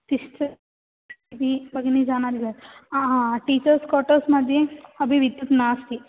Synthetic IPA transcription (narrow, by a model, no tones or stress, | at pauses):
sisʈɐ | d̪ibɐɡinid͡ʒaːnaːd̪iɡɐaaʈiːt͡ʃɐɾskɔʈɐɾsmad̪ʱiɐbʱiʋid̪jut̪naːst̪i